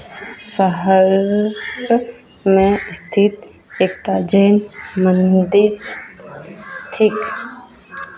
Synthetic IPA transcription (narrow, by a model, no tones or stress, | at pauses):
səɦəɾ | mẽst̪ʰit̪ | eːk̚ʈ̪ad͡ʒeːnmənd̪ɪt | t̪ʰɪk